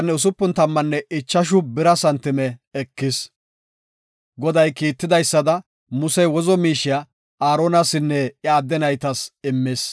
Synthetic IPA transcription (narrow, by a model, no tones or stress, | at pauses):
nːɛʊs̬ʊpːʊnt̪ɐmːɐnːɛʔɪt͡ʃːɐʃ̬ʊbɪɾɐsɐnt̪ːɪmɛːkːɪs | ɡɔd̪ɐjkiːt̪ːɪd̪ɐjsːɐd̪ɐ | mʊsɛjwɔzɔmiːʃɪja | aːɾoːnɐsɪnːɛjaːd̪ːɛnɐjt̪ɐsɪmːɪs